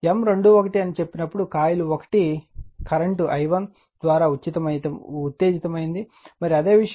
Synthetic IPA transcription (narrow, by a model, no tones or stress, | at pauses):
emɾe̞ɳɖuokɐʈiɐnit͡ʃe̞pːinɐpːuɽukaːjuluokɐ̥ʈikɐɾeɳʈuʔɐjʋɐn | d̪ʋaːɾaːut̪ːt͡ʃit̪ɐmɐjt̪ɐut̪ːe̞ːɡit̪ɐmɐjind̪i | mɐɾiɐd̪e̞ːʋiʂɐ